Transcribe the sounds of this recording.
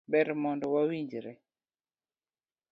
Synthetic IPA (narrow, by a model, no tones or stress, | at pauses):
bɛɾmɔndɔwawiɲd͡ʒɾɛ